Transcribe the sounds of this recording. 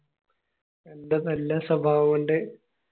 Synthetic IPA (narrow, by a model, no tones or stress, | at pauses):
end̪ɐnɐlːɐsɐbʱaːʋɐʋuɳɖe